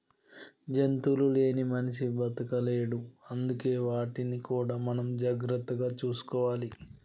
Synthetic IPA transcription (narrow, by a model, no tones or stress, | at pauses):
d͡ʒe̞nt̪ulule̞ːnimɐnɐʃibɐt̪ɐkɐle̞ːɽuɐnd̪uke̞ːʋaːʈinikuːɽaːmɐnɐmd͡ʒaːɡɾɐt̪ːɐɡaːt͡ʃuːsu̥kɔːʋaːli